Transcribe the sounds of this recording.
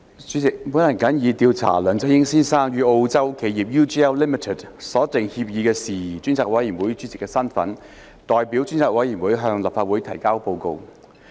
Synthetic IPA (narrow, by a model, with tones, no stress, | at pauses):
t͡ʃyː˨˥t͡sɪ˨k̚mu˨˥nlɐ˨˩kɐ˨˥njiː˨˧t̪iː˧wt͡sʰa̰ː˨˩lœː˨ŋt͡sɐ˥jɪ˥ŋsiː˥nsaː˥ŋjyː˨˧ʔo˧wt͡sɐ˥wkʰe˨˧jiː˨˩p̚juː˥t͡ʃi˥ɛː˥wli˥mi˨˩tʰɛ˨˩t̚sɔː˨˥t̪ɪ˨˩ŋhiː˧p̚jiː˨˧kɛː˧siː˨t͡syː˥nt͡sʰaː˧k̚wɐ˨˥jːiː˨˩nwuː˨˥jt͡syː˨˥t͡sɪ˨kːɛː˧sɐ˥nfɐ˨˥n | t̪ɔː˨˧jpiː˨˥wt͡ʃyː˥nt͡sʰaː˧k̚wɐ˨˥ji˨˩nwuː˨˥jɦœː˧ŋlɐ˨˩pfaː˧t̚wuː˨˥jt̪ʰɐ˨˩jkaː˥wpo˧wko˧w